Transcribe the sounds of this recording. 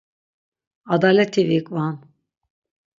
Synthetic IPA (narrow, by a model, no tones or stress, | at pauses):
ad̪aːlʲɛt̪ʰːevikʼvan